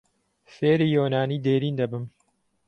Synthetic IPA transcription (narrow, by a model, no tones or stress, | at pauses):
feːɾijoːnaːniːd̪eːɾiːnd̪ɐbɨm